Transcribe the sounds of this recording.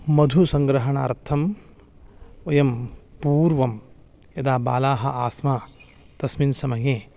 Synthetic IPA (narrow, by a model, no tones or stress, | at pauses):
mɐd̪ʱusɐŋɡɾɐɦɐɳaːɾt̪ʰɐm | ojɐmpuːɾʋɐm | jɐd̪aːba̰ːlaːɦɐaːsmaː | t̪ɐsminsɐmɐjeː